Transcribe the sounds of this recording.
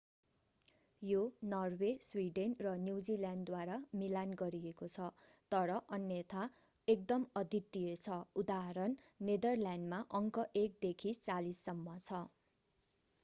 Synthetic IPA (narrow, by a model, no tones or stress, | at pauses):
jonʌrweswiɖenrʌnjuwd͡ziljanɖd̪waɾamilanɡʌɾiekot͡sʰʌ | t̪ʌɾʌʔʌnjʌt̪ʰa | ek̚d̪ʌmʌd̪ʱit̪ːiet͡sʰʌud̪aɦaɾʌnː | ed̪ʌrlanɖmaʔʌŋkʌʔek̚d̪ekʰit͡salisːʌmːʌt͡sʰʌ